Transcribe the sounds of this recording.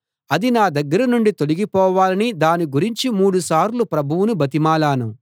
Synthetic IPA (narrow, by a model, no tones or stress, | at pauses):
ɐd̪inaːd̪ɐɡːɐɾɐnuɳɖit̪o̞liɡipɔːʋaːlɐnid̪aːniɡuɾiɲt͡ʃimuːɽusaːɾlupɾɐbʱuwunubɐt̪̬imaːlaːnu